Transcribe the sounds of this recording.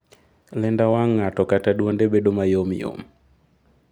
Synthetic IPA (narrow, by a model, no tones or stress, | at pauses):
lɛndawaŋːatɔkatadwondebedomajomjo̰m